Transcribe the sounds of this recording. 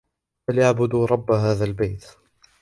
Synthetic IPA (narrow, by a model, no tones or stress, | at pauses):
haljaʕbʊd̪ɾˤɑbːɦaːðaːlbajt̪